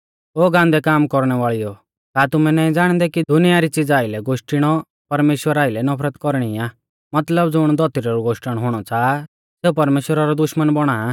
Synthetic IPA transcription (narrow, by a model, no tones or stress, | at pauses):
oːɡãːnd̪ɛkaːmkɔɾɽ̃ɛʋaːɭijɔ | kaːt̪ʊmɛ̃nɛːĩd͡zaːɽ̃d̪ɛkid̪ʊnijaɾit͡sɪd͡zaːɪlɛɡoʃʈɪɽ̃ɔ | pɐɾmeːʃwəɾaːɪlɛnɐpʰɾət̪kɔɾɽ̃iaː | mɐt̪ləbd͡zʊɽ̃d̪ɔt̪iɾɔɾuɡoːʃʈəɽ̃ɦʊɽ̃ɔt͡saː | seːupɐɾmeːʃwəɾaɾɔd̪ʊʃmənbɔɽ̃aː